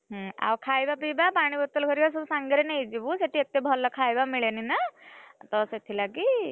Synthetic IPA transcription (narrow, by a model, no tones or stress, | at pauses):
ɦa̰wkʰajbapibapaɽ̃ibɔt̪ɔlkʰəɾibas̬ubsaŋɡeɾenejd͡ʒibuseʈʰiet̪ebʱɔlɔkʰajbamiɭeninat̪ɔset̪ʰilaɡi